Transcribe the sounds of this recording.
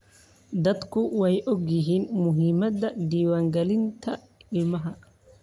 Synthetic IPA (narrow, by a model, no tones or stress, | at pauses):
d̪ɐd̪kʰʊwɛjʔɔɡjɪɦiːnmʊɦimɐd̪ɐd̪iːwaːŋɡɛlɪnt̪ʰɐ | ɪlmɐɦɐ